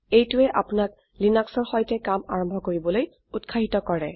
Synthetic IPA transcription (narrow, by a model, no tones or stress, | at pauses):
ejtʊɛʔapʊnak̚ | linaksɔɹxɔjtɛkamaɹɔmbʱɔkoɹibɔloj | utkʰaɦitɔkɔɹɛ